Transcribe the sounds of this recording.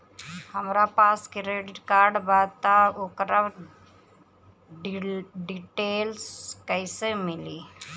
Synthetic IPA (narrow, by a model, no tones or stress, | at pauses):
həmɾapaːskɾeːɖɪʈkaːɾɖbaːd̪t̪aoːkɾa | ɖɖiʈeːlskəɪsemɪliː